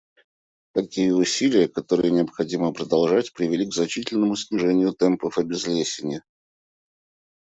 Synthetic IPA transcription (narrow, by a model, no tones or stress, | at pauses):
t̪ɐkʲijəʊsʲilʲɪjəkɐt̪o̞ɾɨjənʲɪɐpxɐdʲiməpɾəd̪ɐlˠʐatʲpɾʲɪvʲɪlʲiɡznɐt͡ɕitʲɪlʲnəmʊsʲnʲɪʐɛnʲɪjʊt̪ɛmpəfɐbʲɪzlʲesʲɪnʲɪ